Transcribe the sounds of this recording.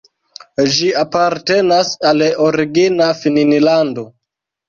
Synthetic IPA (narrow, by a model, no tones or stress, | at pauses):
d͡ʒiapaɾte̞nasaloɾiɡinafininilando̞